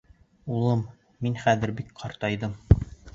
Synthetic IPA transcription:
ulˠɤmː | inχæðɘ̆ɾbikqʰɑɾt̪ɑjðɤm

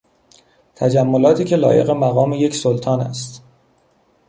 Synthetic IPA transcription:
t̪ʰæd͡ʒæmːo̞lɒːt̪ʰiːcʰe̞lɒ̰ːje̞̰ɣemæɣɒːmeje̞csolt̪ʰɒːnæ̰st̪

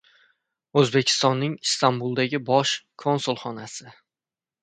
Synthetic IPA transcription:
ɵzbe̞kʲʰɪ̥st̪ɒnːɪŋst̪ʰambulˠd̪aɡʲɪbɒʃkʰo̞nsʊlˠχɒnasɪ

